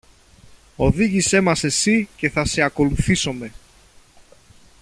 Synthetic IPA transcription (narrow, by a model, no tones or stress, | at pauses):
o̞ðiʝise̞mɐse̞sice̞θɐse̞ɐko̞luθiso̞me̞